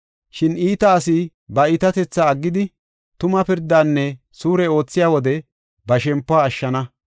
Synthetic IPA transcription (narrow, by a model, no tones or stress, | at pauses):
ʃɪniːt̪ɐːsɪ | bɐɪt̪ɐt̪ɛt͡sːɐːɡːɪd̪ɪ | t̪ʊmɐpɪɾd̪ːaːnːɛ | suːɾɛo̞ːt͡sːɪjaːwɔd̪ɛ | bɐʃɛmpːʊaːʃːɐnɐ